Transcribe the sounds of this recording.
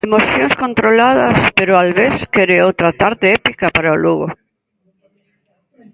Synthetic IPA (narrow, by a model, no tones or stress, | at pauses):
emoθjõŋskont̪ɾolað̞ɐspeɾoalβeskeɾeowt̪ɾat̪aɾt̪eɛpikapaɾaoluɣo